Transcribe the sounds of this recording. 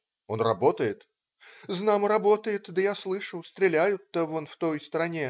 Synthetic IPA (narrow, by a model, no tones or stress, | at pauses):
o̞nrɐ̰bo̞t̪əjɪt̪ | znamɾɐbo̞t̪əjɪt̪d̪əjaslˠɨʂʊst̪ɾʲɪlʲæjʊt̪ːəvo̞nft̪o̞jst̪ɾɐnʲe